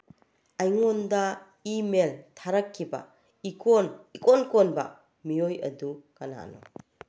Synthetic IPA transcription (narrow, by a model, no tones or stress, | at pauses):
ajŋɔnda | imeltʰaɾɐkʰːiba̰ | ikʰonikonkonbɐ̰ | mijojɐ̰dukana̰no̰